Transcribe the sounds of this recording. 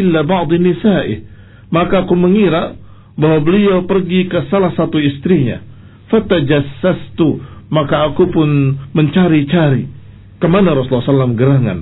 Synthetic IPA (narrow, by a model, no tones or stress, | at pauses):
ɪlːabɑʕd̪ˤinɪsaːʔɪ̰ | makaːkuməŋiɾaʔ | baɦwabəliawpərɡikəsalahsat̪uist̪ɾiɲa̰ | fat̪ad͡ʒasːast̪umakaːkupʊnməɲt͡ʃaɾit͡ʃaɾi | kəmanaɾɑsulːsalːamɡəɾaŋa̰n